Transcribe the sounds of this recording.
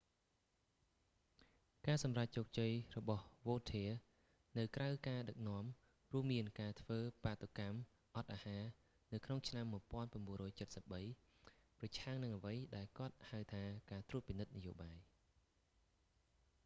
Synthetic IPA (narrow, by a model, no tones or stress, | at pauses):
kaːsɑmrac̚t͡ɕoːk̚t͡ɕəjrɔɓɑhʋoːt̪ʰiə | nɨwkrawkaːɗək̚nŏəm | ruəmːiənkaːt̪ʰʋəːpat̪ːokam | ʔɑt̪̚ʔaːhaː | nɨwkʰnoŋt͡ɕʰnamːuəjpŏənpaənɓuənrɔːjt͡ɕət̪̚səp̚ɓəj | prɑt͡ɕʰaŋnɨŋʔəʋəjɗaɛlkŏət̪̚hawt̪ʰaːkaːt̪ruət̪̚pinɨt̪̚nɨjoːɓaːj